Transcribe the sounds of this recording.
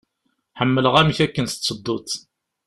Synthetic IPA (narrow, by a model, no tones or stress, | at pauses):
ħəmːələʁæmiçækːənst̪ːsˤəd̪ːut̪